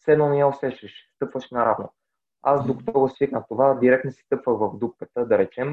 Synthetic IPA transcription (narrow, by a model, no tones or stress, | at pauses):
sɛd̪nonɛjaosɛʃɛʃst̪ɤpvəʃnɐɾa̰vno̰ | asd̪oko̥t̪ɔɡosvik̪nət̪ovad̪iɾɛkt̪nosi̥t̪ɤpvəxvɐvd̪up̚kət̪əd̪ɐɾɛt͡ʃɛm